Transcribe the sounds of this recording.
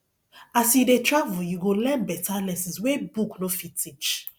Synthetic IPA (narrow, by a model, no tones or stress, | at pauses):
asjidetɹavujuɡolɛ̃nbɛtʰalɛsĩswebuknõfitʰit͡ʃ